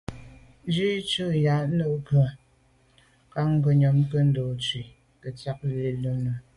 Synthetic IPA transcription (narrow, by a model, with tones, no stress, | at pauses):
n˦d͡ʒi˦t͡ʃu˦˨ja˨˦no˦˨˦kɰə˨ | ka˦ŋ˦ɡə˨ɲɔ˨mkə˦n̩˦doː˨t͡ʃi˨ | kə˨t͡sa˦k̚le˨lo˦nə˨